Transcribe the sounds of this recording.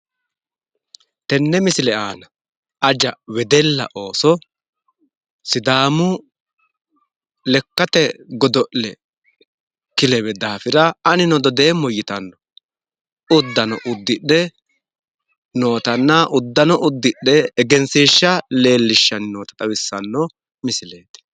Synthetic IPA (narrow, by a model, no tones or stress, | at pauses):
t̪ɛnːɛmɪsɪlɛaːnɐ | ʔɐd͡ʒɐwɛd̪ɛlːɐ̰ʔo̞ːsɔ | sɪd̪aːmʊ | lɛkːɐt̪ɛɡɔd̪ɔʔlɛ | kɪlɛwɛd̪aːfɪɾɐɐnɪnɔd̪ɔd̪e̞ːmːɔjːɪt̪ɐnːɔ | ʊd̪ːɐnɔ̰ʔʊd̪ːɪɗːɛ | no̞ːt̪ɐnːɐʔʊd̪ːɐnɔʔʊd̪ːɪɗːɛːɡɛnsiːʃːɐle̞ːlːɪʃːɐnnoːt̪ɐ̥t̪ʼɐwɪsːɐnːɔ | mɪsɪleːt̪ɛ̥